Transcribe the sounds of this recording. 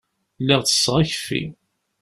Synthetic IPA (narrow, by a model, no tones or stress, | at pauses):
lːiʁt͡sə̥sːʁəçfḭ